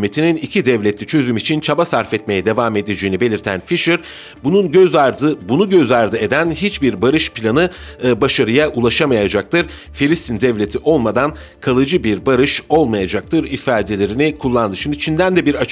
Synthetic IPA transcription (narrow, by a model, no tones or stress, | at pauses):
met̪ʰininicʰid̪ɛvlʲɛt̪lʲit͡ʃʰø̞zymit͡ʃʰint͡ʃʰabasaɾfɛt̪me̞jɛd̪e̞vaːme̞d̪ed͡ʒeːinibe̞lʲiɾt̪ʰænfiʃɯɾ | bununøzd̪ɯbunuɟø̞zaɾd̪ɯe̞d̪ænɦit͡ʃbiɾbaɾɯʃpʰlʲanɯbaʃaɾɯjaʔulˠaʃamajad͡ʒak̚t̪ʰɯɾ | filʲist̪ʰind̪ɛvlʲe̞t̪ʰiʔo̞lˠmad̪an | kʰalˠɯd͡ʒɯbiɾbaɾɯʃo̞lˠmajad͡ʒak̚t̪ʰɯɾifaːd̪e̞lʲe̞ɾinikʰulˠːand̪ɯʃimd̪it͡ʃʰind̪ænd̪ɛbiɾat͡ʃ